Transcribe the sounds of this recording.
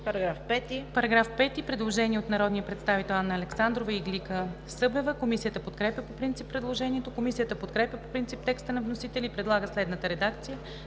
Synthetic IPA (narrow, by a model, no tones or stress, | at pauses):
pɾɐɡɾafpɛt̪ipɐɾɐɡɾafpɛt̪ipɾɛd̪lˠoʒɛnʲiɛot̪nɐɾɔd̪nijəpɾɛt̪st̪avit̪ɛlˠanːəɐlɛksand̪ɾovəiɡlikə | sɤbɛvəkomisijət̪əpot̪kɾɛpʲjəpopɾint̪sipːɾɛd̪lˠoʒɛniɛt̪okomisijət̪əpot̪kɾɛpjʲəpopɾint̪sip̚t̪ɛkst̪ənɐvnosit̪ɛlʲipɾɛd̪lˠaɡəslɛd̪nət̪əɾɛd̪ak̚t̪sijə